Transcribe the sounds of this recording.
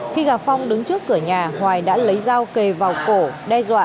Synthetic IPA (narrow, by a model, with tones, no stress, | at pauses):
xi˧ɣaː˨˩p̚fa˧wŋ͡mɗɨ˨˦ŋt͡ɕɨ˦˥əkːɨ˧˩əɲaː˨˩hwaː˨˩jɗa̰ː˧˥lə˨˦jzaː˧wke˨˩vaː˨˩wko˧˩ɗɛ˧zwa̰ː˧˨ʔ